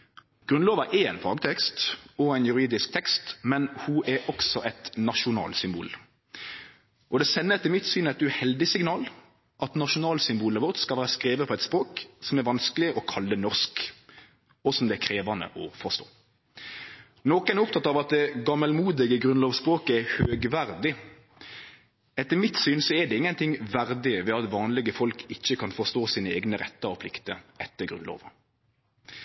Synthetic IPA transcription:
ɡ̥ɾʉnloːʋɑʔɛɛɪnfɑːɡt̪ʰɛkst̪ɔæɪnjʉɾiːd̪ɪsk̚t̪ʰɛkst̪mɛnhuʔæɾʔɔksɔʔɛt̪nɑʃʊnɑ̰ːlsʏmbṵːl | ʔɔd̪ɛsɛnːət̪ʰɪmɪt̪syːnæɪt̪ʉhɛld̪ɪsɪŋnɑːl | ʔɑt̪nɑʃʊnɑːlsʏmbuːləʋɔʁt̪skɑlʋæːɾskɾeːʋəpʰɔɛt̪spɾoːksɔmæɾʋɑnsklɪʔɔkʰɑlːənɔʁsk | ɔsɔmd̪ɛækʰɾeːʋɑnə̰ʔɔfɔʁst̪o̰ː | nɔkənæɾʊp̚t̪ʰɑt̪ːɑʋɑt̪̚d̪ɛɡɑməlmuːd̪ɪɡəɡɾʁʉnloːʋspʁoːkəæhøːɡʋæɾd̪ɪ | ɛt̪ːəɾmɪt̪syːnsɔɛd̪ɛɪŋːənt̪ʰɪŋʋæɾd̪ɪʋɛɑt̪ʋɑːnlɪɡəfɔlkʰɪçːəkʰɑnfɔst̪oːsiːnəeːɡnəɾɛ̰t̪ːəɔpʰlɪkt̪əɛt̪ːəɾɡɾʁʉ̰nlo̰ːʋə

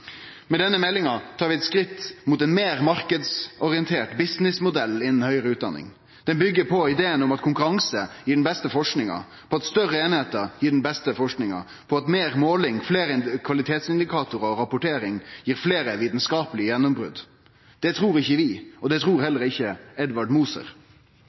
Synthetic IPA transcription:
mɛd̪ɛnːəmɛlːɪŋɑt̪ʰɑːɾʋɪɛt̪skɾɪt̪ːmut̪ɛnmeːɾmɑɾkəd̪sɔɾɪənt̪ʰeːʈbɪsnɪsmʊd̪ɛlːɪnən̩hœʏɾəʉːt̪̚d̪ɑ̰nːɪ̰ŋ | d̪̥ɛnbʏɡːəpʰɔɪd̪eːənʊmɑt̪kʰʊŋkʉɾɑŋsəjiːɖɛnbɛst̪əfɔʂknɪŋɑ̰ | pʰɔɑt̪st̪œɾəeːnɪheːt̪əɾjiːɖn̩bɛst̪əfɔʂknɪŋɑ̰ | pʰɔɑt̪meːɾmoːlɪŋfleːɾəɪkʰʋɑlɪt̪ʰeːt̪sɪnd̪ɪkʰɑːt̪ʊɾɔɾɑpʊʈʰeːɾɪŋjiːɾfleːɾəʋiːt̪n̩skɑːpəlɪjɛnːʊmbɾʉ̰d̪ | d̪̥ɛt̪ʰɾuːɾɪçːəʋɪɔd̪ɛt̪ʰɾuːɾhɛlːəɾɪçːəɛd̪ʋɑɖmuːsə̰ɾ

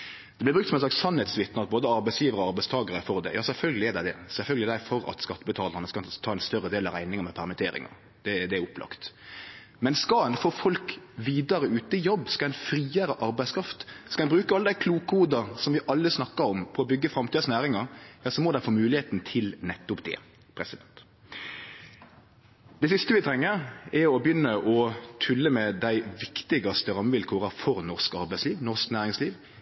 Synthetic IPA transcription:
d̪ɛblɪbʁʉktsɔmɛnslɑkssɑnhɛt̪sʋɪt̪nɑt̪̚boːd̪əɑɾbæɪsjiːʋəɾɔɑɾbæɪst̪ʰɑːɡɑɾəfɔɾd̪ɛ̰jɑːsɛlfœlɡəlɪɛd̪æɪd̪ɛsɛlfœlɡəlɪd̪æɪfɔɾɑ̰t̪skɑt̪ːəbət̪ʰɑːləɾnəskɑt̪ʰɑːɛnst̪œrəd̪eːlɑʋɾæɪnɪŋɑʁmɛpʰæʁmɪt̪ʰeːɾɪ̰ŋɑ̰ | d̪̥ɛd̪ɛæʊpːlɑ̰kt̪ | mɛnskɑɛnfoːfɔlkʋiːd̪ɑɾəʉːt̪əɪjɔbːskɑɛɪnfɾiːəɾəʔɑɾbæɪskʰɾɑft̪skɑɛnbɾʉːkəɑlːəd̪æɪkʰluːkuːd̪ɑɾsɔmʋɪʔɑlːəsnɑkːɑɾɔmpʰɔɔbʏɡːəfɾɑmt̪ʰiːɑsnæːɾɪŋɑɾjɑːsɔmɔd̪æɪfoːmʉːlɪheːt̪n̩t̪ʰɪlnɛt̪ːʊpd̪ɛ̰ | pʰɾɛsɪd̪ɛnt̪ | d̪̥ɛsʏst̪əʋɪt̪ʰɾɛŋːəɾɛɾɔbjʏnːəʔɔt̪ʰʉlːəmɛd̪æɪʋɪkt̪ɪɡɑst̪əɾɑmːəʋɪlkʰoːʁɑfɔɾnɔʁskɑ̰ɾbæɪsliːʋnɔʁsknæːɾɪŋsliːʋ

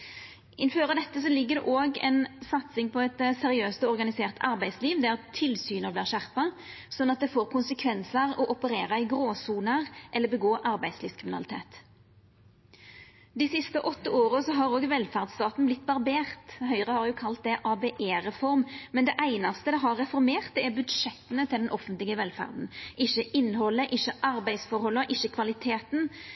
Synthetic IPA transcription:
ʔɪnføːɾəd̪ɛt̪ːəsɔlɪɡːəɾd̪ɛ̰ʔoːɡɛ̰nsɑt̪sɪŋpʰɔɛt̪sɛɾɪøːst̪ɔɔʁɡɑnɪseːʁt̪ʰɑʁbæɪd̪sliːʋd̪æʁt̪ʰɪlsyːnəʁbliːʁʃæʁpɑ | sɔnːɑt̪̚d̪ɛfoːʁkʊnsəkʰʋɛnsəʁɔʔɔpəɾeːɾɑɪɡɾoːsuːnəʁʔɛlːəbəɡoːʔɑɾbæɪ̥sliːʋskʰʁɪmɪnɑ̰lɪt̪ʰḛːt̪ | d̪ɪsɪst̪əʔɔt̪ːəoːɾəsɔɦɑɾoːɡʋɛlfæʁd̪st̪ɑːt̪n̩blɪt̪ːbɑʁbeːʁt̪ɦœʏʁəhɑɾjʊkʰɑlt̪̚d̪ɛʔɑːbeːʔeːɾɛfɔɾmmɛnd̪ɛʔæɪnɑst̪əd̪ɛɦɑʁːɛfɔɾmeːʁt̪̚ɛɛbʉd̪ʂɛt̪ːənət̪ʰɪld̪ɛnʔɔfənt̪lɪɡəʋɛlfæ̰ʁd̪n̩ʔɪçːəʔɪnːɦɔlːəʔɪçːəʔɑɾbæɪsfɔɾhɔlːəɔʔɪçːəkʰʋɑlɪt̪ʰeːt̪n̩

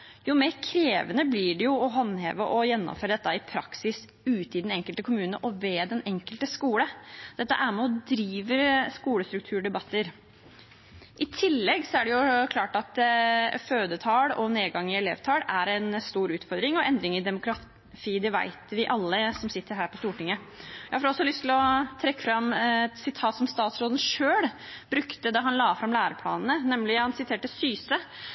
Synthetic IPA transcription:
jʊmeːɾkʰɾeːʋənəblɪɖɛjʊɔɦɑnhḛːʋəʔɔjɛnːɔ̰mføːɾəd̪ɛt̪ːəɪpʰɾɑksɪs | ʉːt̪əɪd̪ɛnɛŋkəlt̪əkʰʊmʉːnəʔɔʋɛːd̪ɛnɛŋkəlt̪əskuːləd̪̥ɛt̪ːə̰ʔæɾmɛɔd̪ɾiːʋəɾskuːləst̪ɾʉk̚t̪ʰʉːɖɛbɑt̪ːəɾ | ʔɪt̪ʰɪlːɛɡsɔæɖɛjʊkʰlɑːʈɑt̪føːd̪ət̪ʰɑːɽɔneːɡɑŋːɪɛleːʋt̪ʰɑːɽæɾɛnst̪uːɾʉːt̪fɔɾd̪ɾɪŋɔʔɛnd̪ɾɪŋɪd̪ɛmʊkɾɑ | t̪ʰiːd̪ɛʋæ̰ɪt̪ʋɪʔɑlːəsɔmsɪt̪ːəɾɦæːɾpɔst̪uːʈɪŋːə | jæɪɑfɔɾɔsːɔlʏst̪ʰɪlɔt̪ʰɾɛkːəfɾɑmːɛt̪sɪt̪ʰɑːt̪sɔmst̪ɑːt̪sɾoːd̪ən̩ʂøːɽb̥ɾʉkt̪əd̪ɑɦɑnlɑːfɾɑmlæːɾəpʰlɑ̰ːnənənɛmlɪhɑnsɪt̪ʰeːʈəsyːsə

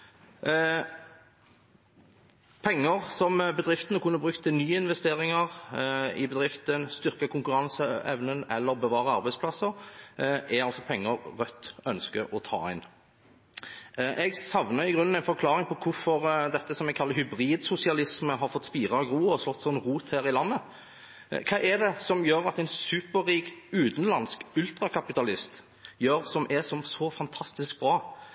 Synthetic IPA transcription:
pʰɛŋːəʁsɔmbəd̪ʁɪft̪ənəkʰʉnːəbʁʉkt̪ʰːɪnyːəɪnʋɛst̪eːɾɪŋəʁɪbɛd̪ɾɪft̪ənst̪ʏʁkəkʰʊŋkʉɾɑnsəɛ̰ʋnənɛlːəʁbəʋɑːʁəɑɾbæɪspʰlɑsːəɾʔɛɾɑlsɔpʰɛŋːəɾʁœt̪ːœnskəʔɔt̪ʰɑ̰ːæɪn | ʔɛɡsɑʋnəɪɡʁʉnənæɪnfɔɾkʰlɑːɾɪŋpɔkʰʊfɔɾd̪ɛt̪ːəsɔmɛɡkʰɑlːəɾhʏbɾiːd̪sʊsɪɑlɪsməɦɑɾfɔt̪spiːʁɑɡɾuːɔslɔt̪ːsɔnːʁuːt̪hæːɾɪlɑnːə | kʰɑːʔɛd̪ɛsɔmjøːɾɑt̪æɪnsʉːpəɾiːkʉːt̪n̩lɑnskʉlt̪ɾɑkʰɑpɪt̪ɑlɪst̪ | jøːɾsɔmʔɛsɔmsɔfɑnt̪ʰɑst̪ɪsk̚bɾɑː

